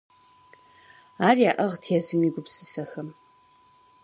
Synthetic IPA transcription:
aːrijaʔɐʁtʰjazɨmiːɡʷʊpsɨ̥sɐxɐm

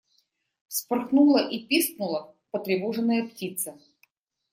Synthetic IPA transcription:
fspɨrxnulˠəʔipʲisk̚nʊlˠə | pət̪ɾʲɪvoʐɨnːəjəptʲit̪sə

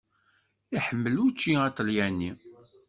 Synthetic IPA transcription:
iħəmːəlut͡ʃːiæt͡sːəljænːi

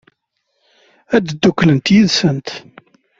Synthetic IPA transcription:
æd̪d̪ːukːlənt̪jiðsənt̪

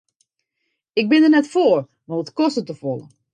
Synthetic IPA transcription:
ɪk̚bɪndənɛtfoːr | maətkɔstətəfɔlˠə̰

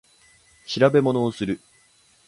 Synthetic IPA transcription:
ɕiɾabe̞mo̞no̞ːsɨɾɯ̟

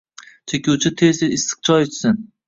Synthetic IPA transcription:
t͡ʃʰekʲuwt͡ʃʰɪt̪ʰesɪɪsɨ̥q̚t͡ʃʰɒjɪt͡ʃʰɪ̥sɪn

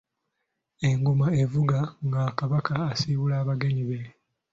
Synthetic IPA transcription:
e̞ŋɡumae̞vuɡaŋɡakaβakaːsiβulaːβaɡe̞ɲiβe̞

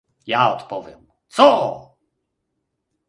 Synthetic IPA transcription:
jaɔt̪pɔvʲjɛm | t̪sɔ

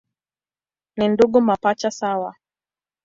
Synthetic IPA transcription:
ninduɠumapat͡ʃasawa

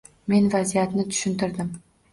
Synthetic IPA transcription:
me̞nvazijat̪nɪt̪ʰʊ̥ʃɪnt̪ɪɾd̪ɪm

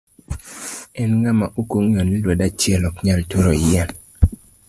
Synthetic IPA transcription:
ɛnŋamaʔukoŋonilwɔdat͡ʃjɛlɔkɲaltuɾojɛn

